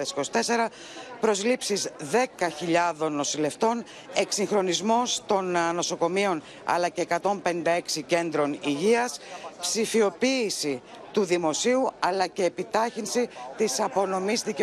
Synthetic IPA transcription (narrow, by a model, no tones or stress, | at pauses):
esi̥ko̞si̥t̪e̞se̞ɾɐ | pɾo̞zlipsizðe̞kɐçiʎɐðo̞nːo̞sile̞ft̪o̞n | e̞ksiŋxɾo̞nizmo̞st̪o̞nno̞so̞ko̞mio̞n | ɐ̰lɐce̞ːkɐt̪o̞mpe̞nĩnd̪ɐe̞ksice̞nd̪ɾo̞niʝiɐspsifio̞piːsi | t̪uðimo̞siuɐlɐce̞ːpit̪ɐçinsit̪isɐpo̞no̞mizðice